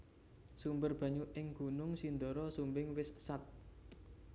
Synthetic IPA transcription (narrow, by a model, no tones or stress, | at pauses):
sumbərb̥a̤ɲuʔɪŋɡ̥ṳnʊŋsind̪ɔɾɔsumbɪŋwɪssat̪̚